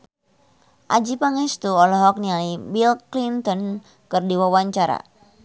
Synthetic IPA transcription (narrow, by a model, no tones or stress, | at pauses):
ʔad͡ʒipaŋɛst̪uɔlɔɦɔk̚nialibilklint̪ɔn | kɨrdiwawaɲt͡ʃaɾa̰